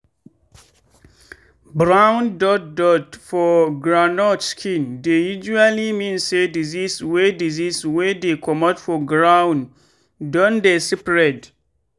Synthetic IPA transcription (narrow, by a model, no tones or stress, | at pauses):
bɹãwndɔt̚dɔtfɔɡɹanɔtskʰĩndejud͡ʒualimĩnsediziswediziswedekʰɔmɔtfɔɡɹãwn | dɔ̃ndesipɹɛt